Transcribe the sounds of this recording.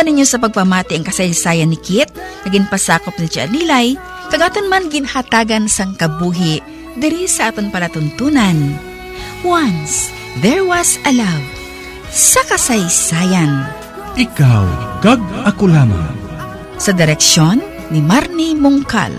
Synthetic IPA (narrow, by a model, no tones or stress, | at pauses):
ɐnɪɲːosɐp̬ɐɡ̚pɐmaːt̪ɪʔɐŋkɐsɐjsaːjɐnːɪkɪt̪̚nɐɡɪnpɐsaːkop̚nɐt͡ʃaʔɐ̰liːlɐj | kɐɡaːt̪ɐnmanɡɪnhɐt̪aːɡɐnsɐŋkɐbuːɦɪ | d̪ɪɾisɐʔaːt̪onpɐlɐt̪ʊnt̪unɐn | wans | ðɛɹwɐsʔɐlaw | sɐkɐsɐjsaːjɐn | ʔɪkawkɐɡ̚ɐkolaːma̰ŋ | sɐd̪ɪɾɛk̚ʃonːɪmaɾnimʊŋka̰l